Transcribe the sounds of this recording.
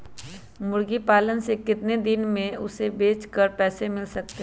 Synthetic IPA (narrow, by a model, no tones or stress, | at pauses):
mʊɽɡipaːlənsekɪt̪ned̪ɪnmẽʊsebeːt͡ʃkəɾpɛːsemɪlsɐk̚t̪eɦ